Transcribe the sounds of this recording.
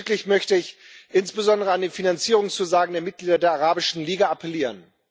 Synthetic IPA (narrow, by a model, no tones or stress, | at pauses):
klɪçmœçtəɪç | ʔɪnsb̥əzɔndəʁəandeːfinant͡siːʁʊŋst͡suzaːɡŋ̩deːɐmɪt̚ɡ̥liːdɐdeːɐaʁaːbɪʃn̩liːɡaapʰɛliːʁən